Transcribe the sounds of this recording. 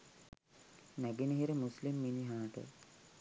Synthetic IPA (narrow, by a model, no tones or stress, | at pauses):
næɡenəɦiɾəmuslimːiniɦaːʈə̰